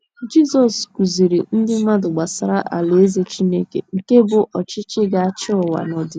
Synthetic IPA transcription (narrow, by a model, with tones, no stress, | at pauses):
d͡ʒi˦sɔ˨sku˨zi˨ɾi˨n̩˦dɪ˦ma˦dʊ˨ɡ͡ba˨sa˨ɾa˦ʔa̰˨le˨e˦ze˦t͡ʃi˦ne˦kḛ˨ŋ̩˨ke˦bʊ˨ʔɔ˨t͡ʃɪ˦t͡ʃɪ˦ɡa˨a˦t͡ʃɪ˦ɔ˨wa̰˨nɔ˨dɪ˨